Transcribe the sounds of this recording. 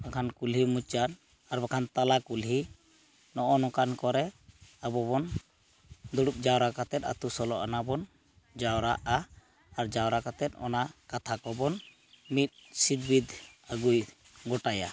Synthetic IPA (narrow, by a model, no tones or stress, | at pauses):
akʰankulɦimut͡ʃan | aɾbakʰant̪alakulɦi | nɔʔɔnɔkankɔɾɛabɔbɔn | d̪uɽup̚d͡ʒawɾakat̪ɛt̪̚a̰t̪usɔlɔʔanabɔn | d͡ʒawɾa̰ʔaː | ɾd͡ʒawɾakat̪ɛt̪̚ˀɔ̰nakat̪ʰakɔbɔn | mit̪̚sid̪bid̪aɡuj | ɡɔʈaja̰